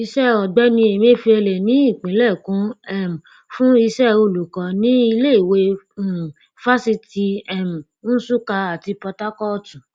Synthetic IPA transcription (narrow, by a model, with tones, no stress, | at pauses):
i˧ʃɛ˦ɔ˨ɡ͡bɛ˦nĩ˧e˨m˦ẽ˦fi˧ɛ˧lɛ˨nĩ˨˦i˦˨k͡pĩ˨˦lɛ˦˨kũ˨˦ɛ˦˨m̩˨ | fũ˦i˧ʃɛ˦o˧˨lu˨kɔ˨˦nĩ˦i˧le˦i˦˨we˧˨ | fa˦si˧ti˧ɛ˦˨m̩˨ | ñ̩˦su˦ka˧a˨ti˧pɔ˧ta˦kɔ˦˨tũ˨